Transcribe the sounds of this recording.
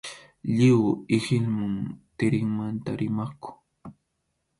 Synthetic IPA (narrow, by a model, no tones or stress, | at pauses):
ʎɪwɪhɪlmʊŋt̪ɪɾɪŋmant̪aɾɪmakʊ̥